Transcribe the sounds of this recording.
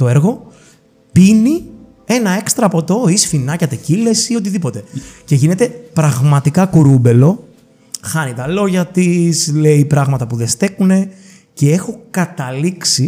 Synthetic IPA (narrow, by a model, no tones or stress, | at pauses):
t̪o̞e̞ɾɣo̞ | pini | e̞nɐe̞kst̪ɾɐpo̞t̪o̞isfinɐcɐt̪ecile̞siot̪̬iðipo̞t̪e̞ce̞ʝine̞t̪e̞pɾɐɣmɐt̪ikɐkuɾube̞lo̞ | xɐnit̪ɐlo̞ʝɐt̪isleipɾɐɣmɐt̪ɐpuðest̪ekune̞ | ce̞e̞xo̞kɐt̪ɐliksi